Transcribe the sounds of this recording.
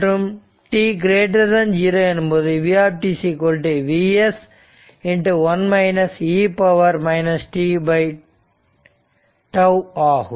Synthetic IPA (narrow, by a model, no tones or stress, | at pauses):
ʈum | ʈiːɡɾeːʈ̬ɐɾd̪ɐnd͡ʒiːɾɐɐnumbod̪iʋiaːp̚ʈisikoːlʈiʋies | iɳʈuʋɐnmɐɪnɐsiːpɐʋɐɾmɐɪnɐsʈiːbɐj | ʈɐwaːh